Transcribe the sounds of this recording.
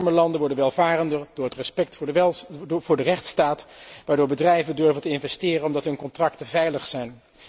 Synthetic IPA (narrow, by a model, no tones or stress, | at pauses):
ɹməlɑndəʋɔɹdənʋɛlˠvaːrəndəɹd̥ʊːɹɦətrəspɛk̚tː | vʊːɹdərɛχtstaːtʋaːɹdʊːɹbədrɛjvəndøɹvəntəɪnvɛstɪːrənɔmdɑtɦɵnkɔntrɑktəvɛjləχsɛjn